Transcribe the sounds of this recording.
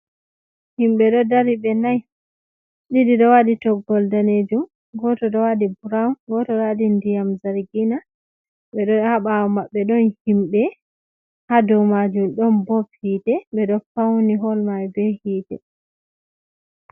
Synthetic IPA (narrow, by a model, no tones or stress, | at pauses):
himɓɛɗɔdaɾiɓɛnaj | ɗidiɗɔwaditɔɡːɔldaned͡ʒum | ɡɔtɔɗɔwadibuɾawnɡɔtɔɗadindijamzaɾɡina | ɓɛɗɔhaɓawɔmaɓːɛɗɔnhimɓɛ | hadɔwmad͡ʒumɗɔnbɔbhiːtɛɓɛɗɔfawniɦɔlmajbɛhiːtɛ̰